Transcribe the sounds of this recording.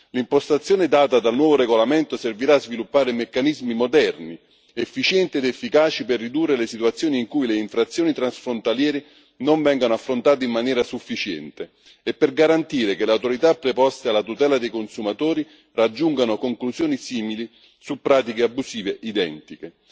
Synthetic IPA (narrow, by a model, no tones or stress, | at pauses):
limpost̪at̪sːjoːned̪aːt̪ad̪alnwɔːvoɾeɡolament̪oserviɾaːzvilupːaːɾemekːanizmimod̪ɛrni | efːit͡ʃjɛnt̪ied̪efːikaːt͡ʃiperːid̪urːelesit̪uat̪sːjoːniːŋkujleiɱfɾat̪sːjoːnit̪ɾansfɾont̪aljɛːɾi | noɱvɛŋɡanoafːɾont̪aːt̪̬eimːanjɛːɾasufːit͡ʃɛ̰nt̪e | epːerɡaɾant̪iːɾekeleawt̪oɾit̪apːɾepɔst̪ealːat̪ut̪ɛːlad̪ejkonsumat̪oːɾi | rad͡ʒːuŋɡanokoŋkluzjoːnisiːmili | supːɾaːt̪̬ikeabːusiːveʔid̪ɛ̰nt̪ike